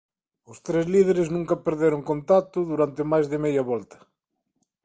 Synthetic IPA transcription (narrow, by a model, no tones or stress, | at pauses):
ʊst̪ɾezlið̞eɾeznũŋkɐpeɾðeɾoŋkont̪at̪ʊðuɾant̪emajzðɪmejɐβɔlt̪ɐ̥